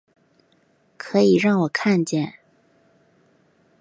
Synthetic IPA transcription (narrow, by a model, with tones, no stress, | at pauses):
kʰɤ˧˥i˨˩ɻɑ˥˩ŋwɔ˨˩kʰa˥˧nt͡ɕjɛ˥˩n